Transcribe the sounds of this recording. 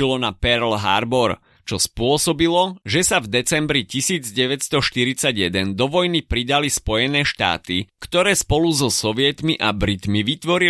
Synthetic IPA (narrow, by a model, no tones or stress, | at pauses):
ilɔnapɛɾlɦa̰ɾbɔɾ | t͡ʃɔspʊɔsɔbilɔʒɛsavd̪ɛt͡sɛmbɾicisiːd͡zɟɛʋɛtst̪ɔʃt̪iɾit͡saɟjɛd̪ɛnd̪ɔʋɔjnipɾid̪alispɔjɛnɛːʃt̪a̰ːt̪ikt̪ɔɾɛːspɔluzɔsɔʋɪɛt̪miʔabɾit̪miʋit̪ʋɔɾi